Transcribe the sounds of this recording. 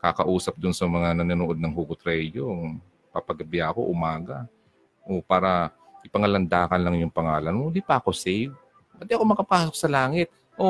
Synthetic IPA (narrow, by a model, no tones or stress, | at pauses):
kakɐʔuːsɐp̚d̪ʊnsɐmɐŋanɐnɐnuʔod̪nɐŋɦuɡʊt̪ɾɛjoŋ | pɐpɐɡɐbɪjako̞̰ʔʊmaːɡɐ | ʔopaːɾɐ | ʔɪpɐŋɐlɐnd̪aːkɐnlɐŋjʊŋpɐŋaːlɐnmod̪ipɐʔɐko̞sɛjv | wɛd̪iɐko̞mɐkɐpaːso̞k̚sɐlaːŋɪt̪̚ | ʔo